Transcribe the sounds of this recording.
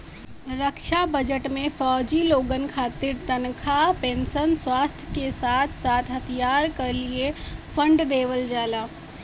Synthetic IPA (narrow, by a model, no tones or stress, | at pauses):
ɾəkʃabəd͡ʒəʈmẽfɔːd͡ʒiloːɡənkʰaːt̪ɪɾt̪ənkʰapẽːnsənswaːst̪ʰjəkesaːt̪ʰsaːt̪ʰɦət̪ʰijaːɾkəɾliepʰə̃ɳɖd̪eːʋəld͡ʒaːlaː